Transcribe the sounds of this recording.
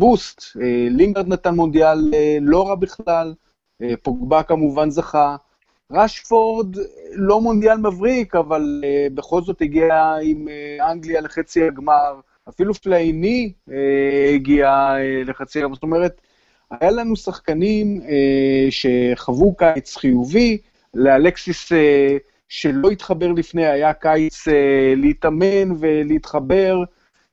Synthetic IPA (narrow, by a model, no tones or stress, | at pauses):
bust̪eliŋɡaʁd̪nat̪anmo̞nd̪ialeːo̞ʁabiχlal | epoɡbakamuvanzaχa | ʁaʃfo̞ʁd̪lo̞mond̪jalmavʁikavalebeχo̞lzo̞t̪hiɡiaimeaŋɡliale̞χet͡sihaɡmaʁ | afiluflainieiɡiaele̞χat͡siaɡamazt̪o̞me̞ʁet | ajalanusaχkanimeʃe̞χavukajt͡sχijuvi | lealeksise | ʃe̞lo̞it̪χabe̞ʁlifne̞jajakajt͡seleitamenve̞liit̪χabe̞ʁ